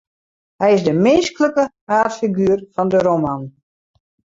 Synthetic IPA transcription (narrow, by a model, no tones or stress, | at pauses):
hɛjɪsdəmɪnskələkə | aːtfiɡyərfɔndəɾoman